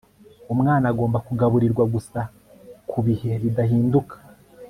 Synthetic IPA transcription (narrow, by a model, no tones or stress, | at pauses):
umŋaːnaɡo̞ːmbakuɡaβuɾiɾɡwaɡusa | kʰuβihe̞βidahiːndukḁ